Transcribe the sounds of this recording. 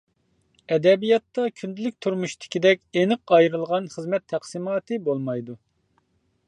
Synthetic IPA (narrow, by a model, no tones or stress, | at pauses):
ɛd̪ɛbijɑt̪ːɑkʲʰynd̪ɪlyk̚ʲt̪ʰuɾmuʃt̪ʰɪ̥kʲid̪ɛkʲenɨqɑjɾɨlˠʁɑnχəzmɛt̪ʰːæχsɨmɑːt̪ɨbolˠmɑjd̪u